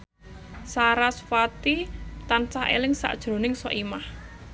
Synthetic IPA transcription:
saɾasfat̪it̪ansahḛlɪŋsa̰ʔd̥ʒ̥ɾo̤nɪŋsɔʔimah

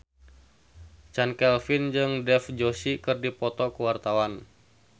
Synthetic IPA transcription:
t͡ʃankɛlfind͡ʒɨŋdɛfd͡ʒosikɨrdipɔt̪ɔkəwart̪awan

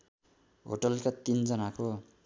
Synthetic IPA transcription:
ɦo̰ʈʌlkat̪ind͡zʌnako

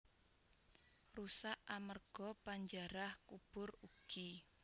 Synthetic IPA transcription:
rusaʔamərɡ̥ɔpaɲd͡ʒaɾahkub̥ʊruɡ̥i

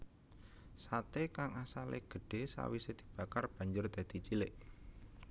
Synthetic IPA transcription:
sat̪ekaŋasalḛɡ̥ə̤ɖ̥e̤sa̰wised̪̥i̤b̥a̤karb̥a̤ɲd͡ʒʊrd̪̥a̤d̪̥i̤t͡ʃilɪʔ

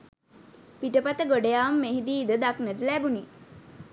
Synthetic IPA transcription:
piʈəpat̪əɡoɖejaːmːeɦid̪iːd̪əd̪aknəʈəlæbuni

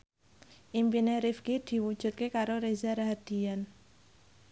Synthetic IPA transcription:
ʔimpineɾifkid̪̥i̤wud̥ʒ̥ṳt̪̚kekaɾoɾezaɾaɦad̪̥i̤jan

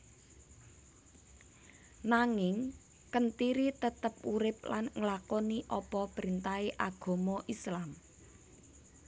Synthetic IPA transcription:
naŋɪŋ | kənt̪iɾit̪ət̪əp̚uɾɪp̚lanŋəlakɔniʔɔpɔpɾint̪aeʔaɡ̥o̤mɔʔislam

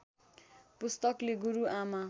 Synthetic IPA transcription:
pust̪ʌkleɡuɾuʔama

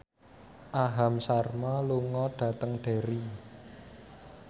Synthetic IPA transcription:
ʔaɦamsarmɔluŋɔɖ̥ä̤t̪əŋɖ̥e̤ɾi

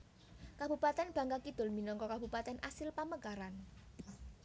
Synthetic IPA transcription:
kab̥upat̪ɛnb̥ä̤ŋkakid̪̥ʊ̤lminɔŋkɔkabupat̪ɛnʔasɪlpaməɡaɾan

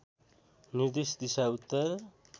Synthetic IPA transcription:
niɾd̪isd̪isaut̪ːʌr

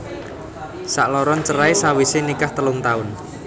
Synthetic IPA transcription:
saʔlɔɾɔnt͡ʃəɾaesawisɪnikaht̪əlʊŋt̪aʊn

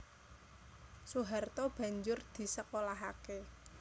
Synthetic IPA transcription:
suɦart̪ɔb̥ä̤ɲd͡ʒʊrd̪̥i̤səkolaɦake

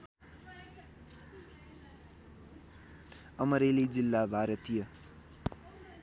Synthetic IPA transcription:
ʌmʌɾelid͡zilːabʱaɾʌt̪ijʌ

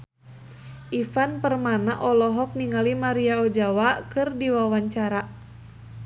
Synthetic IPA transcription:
ʔifanpərmanaʔɔlɔɦɔk̚niŋalimaɾiaɔd͡ʒawakɨrdiwawaɲt͡ʃaɾa

